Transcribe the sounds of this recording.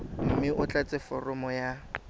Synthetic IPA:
m̩mɪʔʊt͡ɬʼat͡sʼɪfɔrɔmɔja

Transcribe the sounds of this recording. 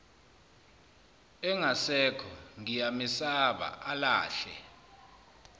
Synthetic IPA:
ɛŋasɛkʰɔŋijamisaɓa̰ʔala̰ːɬɛ̰

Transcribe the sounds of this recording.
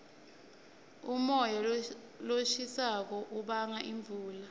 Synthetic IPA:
umɔja | loʃisak̬ɔʔuɓaŋaʔiɱb̪vʱuːla

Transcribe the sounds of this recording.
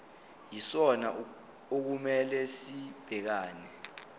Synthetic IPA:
jisɔna | ok̬umɛlɛsib̥ʱɛk̬aːnɛ

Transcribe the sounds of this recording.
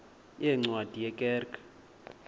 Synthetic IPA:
jɛŋ͡ǀwad̥ʱijɛkʼɛːrkʼḁ

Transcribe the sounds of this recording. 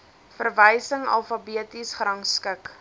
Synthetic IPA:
fərvəjsəŋɐ̰lˠfɐbiətisχrɐŋskək

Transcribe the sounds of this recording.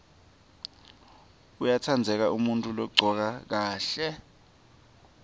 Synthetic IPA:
ujatʰand͡zʱɛk̬aumuntʼulɔɡ͡ǀʱɔk̬ak̬aːɬɛ

